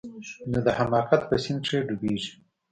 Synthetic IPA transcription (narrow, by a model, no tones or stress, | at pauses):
nod̪əhamɑːqat̪̚pəsɪnʈ͡ʂeɖubeʒi